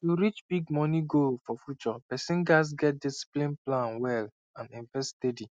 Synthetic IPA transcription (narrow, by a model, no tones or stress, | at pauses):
tuɾit͡ʃb̥iɡmɔniɡolfɔfjut͡ʃɔpɛsĩnɡas̬ɡɛt̚disi̥plĩnplãnwɛl | ãnĩɱvɛstɛdi